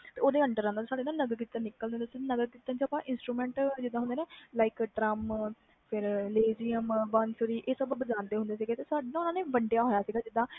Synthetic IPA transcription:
t̪eːoːd̪eːəɳɖəɾãːd̪asaːɖeːnãːnəɡəɾkiːt̪ːãnɪkːəld̪ẽːnt̪ːsɪnəɡəɾkiːt̪ːãːt͡ʃaːpãːʔɪnsʈɾuːmɛ̃ːɳʈd͡ʒɪd̪ãɦʊnd̪eːnẽːlaːɪkʈɾəm | pʰɪɾleːd͡ʒijəmbansɾiːʔeːsəbbəd͡ʒãːnd̪eːɦʊ̃nd̪eːs̬iːɡeːt̪eːsaːɖenãːʊnãːnẽːbəɳɖejaːɦoːjaːsiːɡaːd͡ʒɪd̪ãː

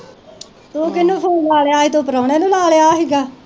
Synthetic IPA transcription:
t̪oːkɪnːũːpʰoːnlaːleaːiːt̪oːpəɾaːɳeːnũːlaːleaːɦiːɡaː

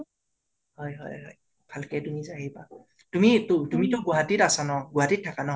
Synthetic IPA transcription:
hɔjɦɔ̰jɦɔ̰j | bʱalkɛtumizajiba | tumitʊtumitʊɡʊɦatitasanɔɡʊɦaditʰːakanɔ

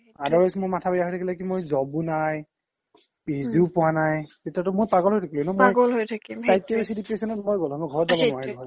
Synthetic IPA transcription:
adɔɹajsmojmatʰabajaɦotʰakilakimojzɔbũnaj | piziʊpʊwanajtetiatʊmojpaɡɔlɦojtʰakilunɔmoaɡɔlɦojtʰakimtajtːabisidipɹesɔnɔtmojɡɔlɦɔmɔɡʱɔɹɔtzabɔ̃ɔaɹɡɔɹɔ

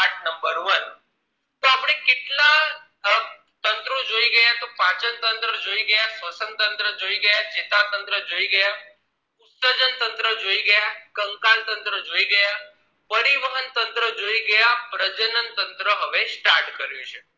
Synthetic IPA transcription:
aʈnəmbəɾʋən | t̪oapɳ̃ekɪʈla | t̪ənt̪ɾõd͡ʒoiɡəjat̪opãt͡ʃənt̪ənt̪ɾəd͡ʒoiɡəjasʋəsənt̪ənt̪ɾəd͡ʒoiɡəjad͡ʒet̪at̪ənt̪ɾəd͡ʒoiɡəja | ʊt̪səd͡ʒənt̪ənt̪ɾəd͡ʒoiɡəjakəŋkalt̪ənt̪ɾəd͡ʒoiɡəja | pəɾiʋəɦənt̪ənt̪ɾəd͡ʒoiɡəjapɾəd͡ʒənənt̪ənt̪ɾəɦəʋesʈaɾʈkəɾjũt͡ʃʰe

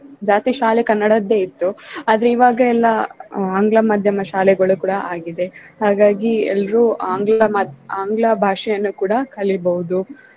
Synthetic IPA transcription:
d͡ʒaːst̪iʃaːlɛkɐnːɐɽɐd̪e̞ːit̪ːuaːd̪ɐɾeiːʋaːɡɐɛlːɐaːŋɡɭɐmaːd̪ʱjɐmɐʃaːlɛɡɐɭukuːɽɐʔaːɡid̪e̞haːɡaːɡiɛ̰lːɐɾuaːŋɡlɐmaaːŋɡlɐbʱaːʂɛjɐnːukuːɽɐkʰɐɭibɐʋud̪u

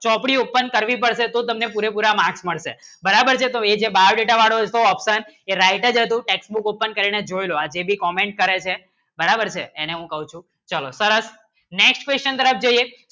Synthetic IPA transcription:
t͡ʃɔpɽiopːənkəɾʋipəɽʃet̪ot̪əmnepuɾepuɾamãksməɭʃḛbəɾabəɾt͡ʃʰet̪oed͡ʒebaɾɖeʈaʋaɽoɦəd͡ʒt̪oəpsəneɾaiʈəd͡ʒət̪̬ũʈeksbukopːənkəɾined͡ʒojload͡ʒebʱikɔmeɳʈ̚kəɾet͡ʃʰe | bəɾabəɾt͡ʃʰeːneɦũkəɦũt͡ʃʰũ | t͡ʃalosəɾəs | neksʈkʋest͡ʃənt̪əɾəp̚ʰd͡ʒoie

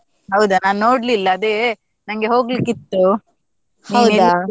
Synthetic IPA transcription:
ɦɐwd̪unaːnnoːɽlilːɐːd̪e | nɐŋɡe̞ɦo̞ːɡlikːit̪ːu | hniɐwd̪a

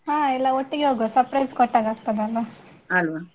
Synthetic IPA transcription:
ɦãːɛlːɐoʈːiɡeɦoːɡosɐɾpɾɐjskɔʈːaːɡaːɡ̚t̪ɐd̪eɐlʋɐɐlʋa

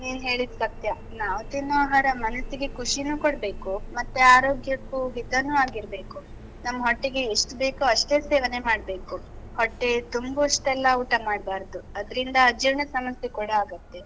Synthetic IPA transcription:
niːnɦe̞ːɭid̪sɐt̪jɐ | naːʋɐt̪inːuaːɦaːɾɐmɐnɐsiɡe̞kʰuʂinuːkoɽbe̞ːkumɐt̪ːeaːɾo̞ːɡjɐkːuɦit̪ɐnːuaːɡiɾbe̞ːku | nɐmːɐɦoʈːiɡeːʂʈbe̞ːkuɐʂʈe̞ːseːʋɐne̞maːɽbe̞ːkuhoʈːe̞t̪umbɐʂʈɛlːɐuːʈɐmaːɽbaːɾd̪uɐd̪ɐɾind̪ɐːd͡ʒiɾɳɐsɐmɐsjekuɽɐaːɡɐt̪ːe

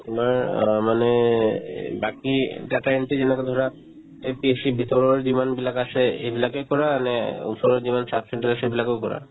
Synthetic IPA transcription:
t̪umaɾmane | bakiʈɛʈaeɳʈid͡ʑenaked̪ʱɔɾa | epieʃibʱit̪oɾoɾd͡ʑimanbilakaʃeebilakekɔɾaaneṵʃoɾeɾd͡ʑimansapseɳʈeɾaʃebilakewkɔɾa̰

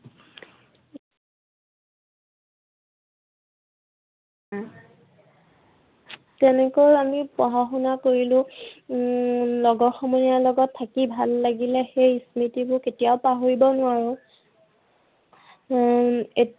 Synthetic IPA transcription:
tɛnɛkɔjamipɔɦaxunakoɹilʊ̃ | lɔɡɔxɔmɔnijalɔɡɔtʰːakibʱalːaɡilɛxejsmitibʊketijaʊpaɦoɹibɔnʊaɹʊ̃ | e

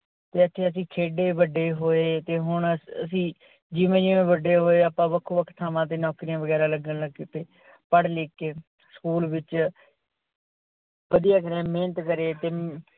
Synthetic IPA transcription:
t̪eːət̪ʰːeːəs̬ĩːkʰeːɖeːʋəɖeːɦoːeːt̪eːɦʊɳəs̬ĩː | d͡ʒiːʋẽːd͡ʒiːʋẽːʋəɖːeːɦoːeːaːpãːʋəkʰːuːʋəkʰt̪ʰːaːmãːt̪̬eːnɔːkɾijãːʋəɡɛːɾaːləɡənləɡkɪt̪eː | pəɽleːkːeː | sə̥kuːlʋɪt͡ʃ | ʋəd̪ijaːkəɾẽːmeːnət̪kəɾeːt̪eː

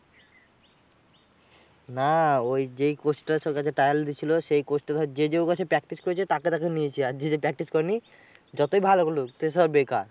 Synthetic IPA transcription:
naojd͡ʑejkosʈasɔkat͡ɕʰeʈɾajald̪it͡ɕʰiloʃejkosʈad̪d͡ʑed͡ʑeokat͡ɕʰepɾɛk̚ʈiskoɾet͡ɕʰet̪aket̪ak̬eniet͡ɕʰead͡ʑed͡ʑepɾɛk̚ʈiskɔɾeni | d͡ʑɔt̪ojbʱalokolot̪esɔbekaɾ

